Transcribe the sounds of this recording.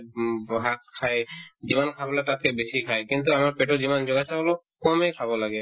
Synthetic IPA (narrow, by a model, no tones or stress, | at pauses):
ɦat̚kʰajzimankʰabɔlaɡ̚tat̚kɛbesikʰajkint̪uamaɹpɛtɔzimanzɔɡasaɔlɔ | kɔmɛkʰabɔlaɡɛ